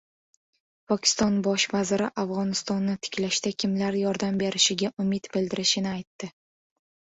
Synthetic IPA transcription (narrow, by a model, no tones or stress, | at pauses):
pʰɒkʲɪ̥st̪ɒnbɒʃvazɪɾɪʔavʁɒnɪst̪ɒnːɪt̪ʰɪ̥kʲlaʃt̪akʲʰɪmlaɾjɒɾd̪ambe̞ɾɪʃɪɡʲaʔʊmɪt̪bɪld̪ɪɾɪʃɪnɪajt̪ːɪ